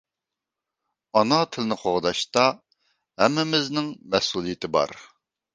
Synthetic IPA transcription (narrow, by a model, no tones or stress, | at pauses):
ɑnɑt̪ʰɪlnɪχʰoʁd̪ɑʃt̪ɑ | hɛmːɪmɪznɪŋmɛsulˠijɪt̪ʰɪbɑ̰ɾ